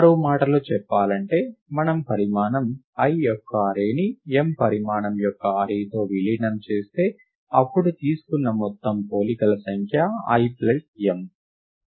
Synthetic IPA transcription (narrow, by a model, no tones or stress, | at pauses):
ɐɾuːmaːʈɐlot͡ʃɛpːaːlɐɳʈe̞ːmɐnɐmpɐɾimaːnɐm | ɐjɔkːɐɐɾeːniempɐɾimaːɳɐmjɔkːɐɐɾeːjt̪o̞ːʋiliːnɐmt͡ʃe̞ːst̪e̞ː | ɐpːuɽut̪iːsu̥kunːɐmɔt̪ːɐmpo̞ːlikɐlɐsɐŋkʰjɐɐ̰jpleʈem